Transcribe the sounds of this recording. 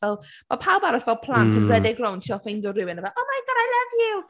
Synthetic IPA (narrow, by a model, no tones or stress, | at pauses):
ɛlˠ | mapʰawbaɾɔsvɛlˠpʰlˠantʰənrɛdɪɡrɔwnʃɔfejndɔrɪwɪnəvɛlˠɔmajɡəɾajlˠʌvju